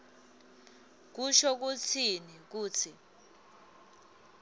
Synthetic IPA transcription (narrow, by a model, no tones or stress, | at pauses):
k̬uʃɔk̬ut͡sʰinik̬uːt͡sʰi